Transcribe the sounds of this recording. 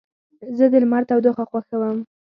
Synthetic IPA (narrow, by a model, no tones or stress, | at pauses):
zəd̪əlmaɾt̪awd̪oxaxwaxawəm